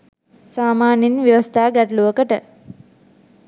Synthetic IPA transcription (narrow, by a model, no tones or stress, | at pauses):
saːmaːninʋjeʋəst̪ʰaːɡæʈəluʋəkəʈə